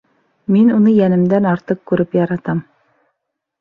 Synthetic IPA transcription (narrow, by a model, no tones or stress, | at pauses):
minunɤjænɘ̆md̪ænɑɾt̪ɤq̚kʉɾɘpjɑɾɑt̪ɑm